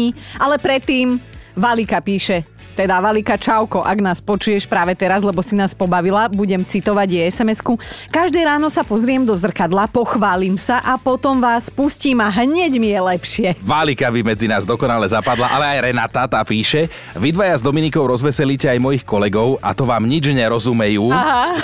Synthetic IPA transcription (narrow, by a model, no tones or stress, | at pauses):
alɛpɾɛt̪ːiːmʋalikapiːʃɛ | t̪ɛd̪aʋalikat͡ʃaʊkɔʔaɡnaːspɔt͡ʃujɛʃpɾaːʋɛt̪ɛɾazlɛbɔsinaːspɔbaʋilabuɟɛmt͡sit̪ɔʋaɟɛɛsɛmɛskukaʒd̪ɛːɾaːnɔsapɔzɾɪɛmd̪ɔzr̩kad̪lapɔxʋaːliːmsaʔapɔt̪ɔmʋaːspusciːmaɦɲɛɟmijɛlɛpʃɪɛʋalikabimɛd͡zinaːzd̪ɔkɔnalɛzapad̪laʔalɛajɾɛnat̪at̪aːpiːʃɛ | ʋid̪ʋajazd̪ɔminikɔʊɾɔzʋɛsɛliːcɛajmɔjixkɔlɛɡɔʊʔa̰t̪ɔʋaːmɲid͡ʒɲɛɾɔzumɛjuːaɦa